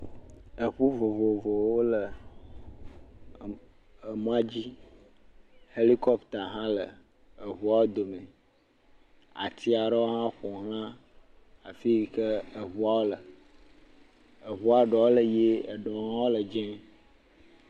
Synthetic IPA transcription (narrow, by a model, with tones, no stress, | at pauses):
ə˨ɸu˦vo˨vo˨vo˨wo˦lə˨ | ə˨mũ˦a˦d͡ʑi˦ | he˦li˦kɔ˦pt̪a˨ɦã˦lə˨ | ə˨βu˨˦a˦wo˦d̪o˨mẽ˨ | a̰˨t̪i˦a˨ɖə˦wo˦ɦã˦xɔ˨ɦl̃ã˦ | a˨fi˦˨kə˦ə˨βu˦a˦wo˦lə˨ | ə˨ɦu˦a˨ɖɔ˨wo˦lə˨je˦ə˨ɖɔ˨˦ɦã˦wo˦lə˨d͡ʒɛ̃˦